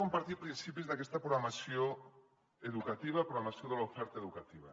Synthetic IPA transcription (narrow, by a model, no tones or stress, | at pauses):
ompaɾt̪iɾpɾinsipizðakest̪apɾoɣamasjo | eðukat̪iβ̞apɾoɣamasjoðelaofɛɾt̪aeðukat̪iβa̰